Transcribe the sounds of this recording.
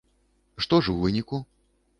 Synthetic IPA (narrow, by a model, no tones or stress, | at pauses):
ʂt̪ɔʐuvɨnʲiku